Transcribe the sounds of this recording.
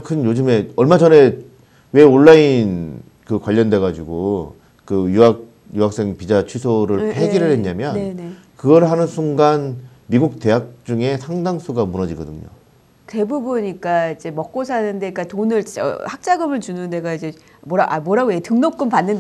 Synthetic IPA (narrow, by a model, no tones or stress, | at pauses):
kʰɯnjod͡ʑɯme̞ʌɭmad͡ʑʌne̞ | we̞oɭːain | kɯkwaʎːʌnde̞ɡad͡ʑiɡo | kɯjuak̚ | juɦak̚s͈e̞ŋpid͡ʑat͡ɕʰisʰoɾɯɭheɡiɾɯɭhe̞ɲɲamjʌnene | kɯɡʌɾɭɦanɯnsʰuŋɡan | miɡuk̚te̞ɦak̚t͡ɕ͈uŋe̞sʰaŋdaŋsʰuɡamunʌd͡ʑiɡʌdɯ̰ɲo̰ | te̞bubuɲik͈aid͡ʑe̞mʌk̚k͈osʰanɯnde̞ik͈atonɯɭt͡ɕit͡ɕa̰hak̚t͡ɕ͈aɡɯmɯɭt͡ɕunɯnde̞ɡaid͡ʑe̞ | moɾaʔamwʌɾaɡojetɯŋnop̚k͈ɯmpanːɯn